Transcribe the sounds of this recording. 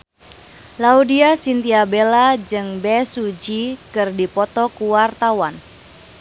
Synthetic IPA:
laudiasint̪iabelad͡ʒɨŋbɛsud͡ʒikɨrdipɔt̪ɔkuwart̪awan

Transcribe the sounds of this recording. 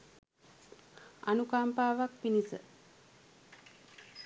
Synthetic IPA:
a̰nukaːmpaːʋak̚pinisə̰

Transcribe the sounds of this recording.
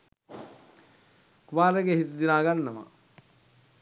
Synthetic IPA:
kumaːɾeɡehit̪id̪inaːɡanːɐma̰

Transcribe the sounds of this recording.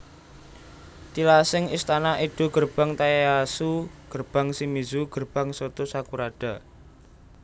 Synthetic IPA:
t̪ilasɪŋist̪anaʔid̪̥ṳɡ̥ərb̥a̤ŋt̪ajaasuɡ̥ərb̥a̤ŋsimizuɡ̥ərb̥a̤ŋsot̪usakuɾaɖ̥a̤

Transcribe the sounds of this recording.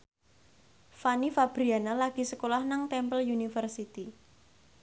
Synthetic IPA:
fanifab̥ɾianalaɡ̥i̤səkolahnaŋt̪ɛmpəljunifərsit̪i

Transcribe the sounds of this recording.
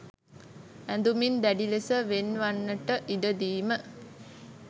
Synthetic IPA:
ænd̪umind̪æɖilesəʋenʋanːəʈəʔiɖəd̪iːmə

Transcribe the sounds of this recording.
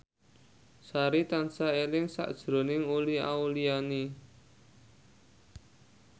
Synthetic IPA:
saɾit̪ansaelɪŋsa̰ʔd̥ʒ̥ɾo̤nɪŋulia̰uliani

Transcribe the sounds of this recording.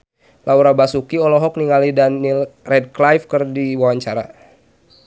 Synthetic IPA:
lʔauɾabasukiɔlɔɦɔk̚niŋalidanːilrɛd̚klajfkərdiwawaɲt͡ʃaɾa̰

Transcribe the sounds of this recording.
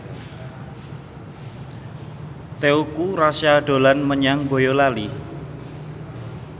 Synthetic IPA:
t̪eukurasjaɖ̥o̤lanməɲaŋbo̤jolali

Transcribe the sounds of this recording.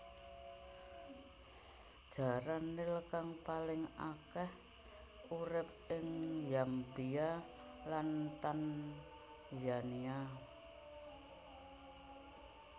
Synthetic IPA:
d̥ʒ̥a̤ɾanːeləkaŋpalɪŋakɛh | uɾɪp̚ɪŋjambia | lant̪an | jania

